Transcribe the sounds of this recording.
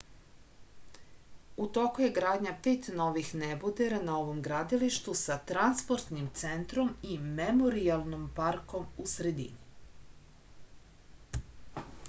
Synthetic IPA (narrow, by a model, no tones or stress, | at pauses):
ut̪o̞kuje̞ɡɾaːd̪ɲapeːt̪no̞ʋixnebud̪eɾanao̞ʋo̞mɡɾad̪iliʃt̪usat̪ɾanspo̞ɾt̪nimt̪sent̪ɾo̞mimemo̞ɾialˠnompaɾko̞musɾe̞d̪ḭni